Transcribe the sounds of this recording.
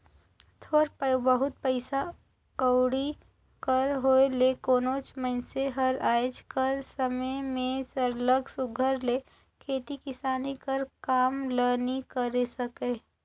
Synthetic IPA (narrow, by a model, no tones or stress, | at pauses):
t̪ʰoːɾpəjbəɦʊt̪̚pəɪsa | kəwɽi | kəɾɦoːelekoːnoːt͡ʃmənseɦɐɾaːd͡ʒkəɾsəməjmẽsəɾləɡsʊɡʱəɾleː | kʰeːt̪ikɪsaːnikɐɾkaːmləːnikəɾesɐkeː